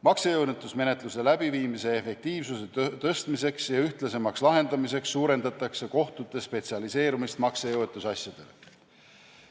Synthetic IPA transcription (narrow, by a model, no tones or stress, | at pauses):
mɑksejɤwnet̪ːˑusme̞ne̞t̪ˑluse̞læbiviːmise̞ːfek̚t̪iːvsuse̞t̪ɤst̪mise̞ksjɑyht̪lese̞mɑkslɑɦe̞nd̪ɑmise̞ksːuːɾe̞nd̪ɑt̪ːˑɑkse̞ko̞ht̪ut̪ːˑe̞spe̞t̪siɑlise̞ːɾumist̪mɑksejɤwet̪ːˑusɑsjɑd̪̥e̞̰le